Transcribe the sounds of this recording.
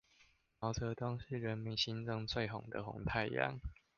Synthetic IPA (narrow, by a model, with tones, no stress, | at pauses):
mɑ˨˥ʊt͡sʰɤ˧˥t̪wɑ˥ŋʂɻ̩˥˩ɻə˧˦nmi˨ŋɕi˦nt͡sɤ˥˧ŋt͡swe˥˩ɪɦo˨˩ŋd̪ə̰˨ɦo̰˨˩˦ŋt̪ʰa˥˧ɪḭ˧˦jɑ̰˥˨˩ŋ